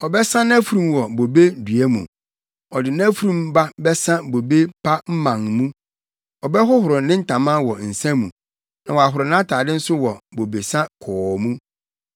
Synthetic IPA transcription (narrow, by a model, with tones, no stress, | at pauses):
ɔ˨bɛ˦sã˦nã˦fu˨ɾũ˨mwɔ˨bo˨be˦dɥɛ˦mṵ̃˨ | ɔ˨dɪ˨nã˦fu˦ɾũ˦mba˦bɛ˦sã˦bo˨be˦pʰa˦m̩˦mã˨ŋmũ˦ | ɔ˨bɛ˦ɦʊ˦hʊ˨ɾʊ˨nɪ̃˦n̩˦tʰã˨mã˦wɔ˨n̩˨sɛ̃˦mũ˨ | nã˨wɔ˨a˨ɦʊ˨ɾʊ˨nã˦tʰaː˨dɪ˦n̩˦sʊ˦wɔ˨bo˨be˨sã˦kʰɔː˨mũ˦